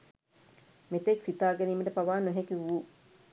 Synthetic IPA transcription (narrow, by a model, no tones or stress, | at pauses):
met̪eksit̪aːɡeniːməʈəpaʋaːnoɦekiʋu